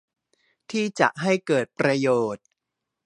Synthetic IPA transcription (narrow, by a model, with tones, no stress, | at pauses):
t̪ʰiː˥˩t͡ɕa̰˨˩ʔɦa˥˩jkɤː˨˩t̪̚pɾa˧joː˨˩t̪̚